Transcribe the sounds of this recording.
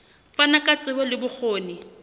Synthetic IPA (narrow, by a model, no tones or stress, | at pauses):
fanakʼat͡sʼɪwɛlɪbʊk͡xʰoːnɪ